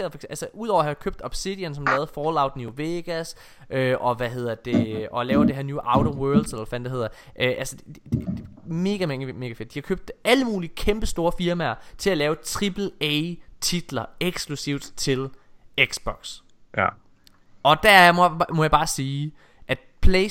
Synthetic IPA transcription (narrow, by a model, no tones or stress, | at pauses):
eɐð̩ˠfɒɡ̥eælsəʔuðˠɒ̰ʊɐhɑjkʰøb̥̚d̥ɒ̽b̥sid̥insɒmlɛːʊð̞̩ˠfɒːlɑ̈ʊ̰d̥nuʋeɡ̥æs | ʔøʔɒ̽ʋæɦe̝ð̞̰ˠɐd̥e̝ʔɒ̽lɛːʊd̥e̝ɦeɐnuːʔɑ̈ʊɾowɜːɐld̥selɐfænd̥eɦe̝ð̰ˠɐ | ʔøʔælsəd̥ | me̝ːɡ̥æmeŋəme̝ːɡ̥æfe̝d̥̚d̥ihɑ̈kʰøb̥̚d̥æləmuːliəkʰemb̥əsd̥o̝ːɐfiɐmæɐt͡sʰe̝lælɛːʊt͡sʰʁib̥l̩et͡sʰid̥lɐeɡ̥sklusiʊ̰d̥t͡sʰe̝leɡ̥sb̥ɒɡ̥s | ʔɒ̽d̥æɐmɔjɑ̈b̥ɑ̈ːsiː | ʔæd̥̚pʰle